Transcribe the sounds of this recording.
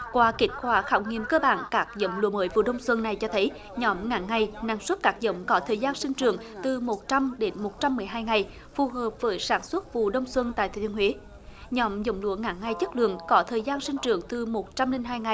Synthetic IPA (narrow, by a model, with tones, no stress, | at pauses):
kwaː˨˦ki˨˦˥k̟̚kwaː˧˩xaː˧˩wŋi˨˩əmkəː˧ɓa̰ː˧˨nkaː˦˥k̚zə̰˧˦wŋ͡mlṵ˧˦əməː˨˦jvṵ˧˨ɗə˧wŋ͡mswə˧nːa˨˩jt͡ɕɔ˧t̪ʰə˨˦j | ɲɔ˨˦mŋa̰ː˧˦ŋa˨˩jna̰ː˨˩ŋswə˦˥t̚kaː˦˥k̚zə̰˧˦wŋ͡mkɔ˨˦t̪ʰəː˨˩jzaː˧nsï˧ŋ̟t͡ɕɨ̰˨əŋt̪ɨ˨˩mo˨˩t̚t͡ɕa˧mɗe˨˦nmo˨˩t̚t͡ɕa˧mːɨ˨˩əjɦaː˧jŋa˨˩j | fu˨˩ɦəː˨˩p̚vəː˨˦jsaː˧˩˦nswə˦˥t̚vṵ˧˨ɗə˧wŋ͡mswə˧nt̪a̰ː˧˨jt̪ʰe˨˧˩hwi˨˦ | ɲɔ˨˦mzə̰˧˦wŋ͡mlṵ˧˥əŋa̰ː˧˦ŋŋa˨˧˩jt͡ɕə˦˥k̚lɨ̰˧˨əŋkɔ˨˦t̪ʰəː˨˩jzaː˧nsï˧ŋ̟t͡ɕɨ˨˩əŋt̪ɨ˨˩mo˨˩t̚t͡ɕa˧mli˧nɦaː˧jŋa˨˩j